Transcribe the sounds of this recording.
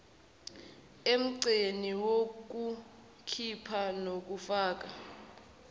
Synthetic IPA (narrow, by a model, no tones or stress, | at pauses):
em̩ǀeniwok̬u | kʰipʰanok̬ufaːk̬a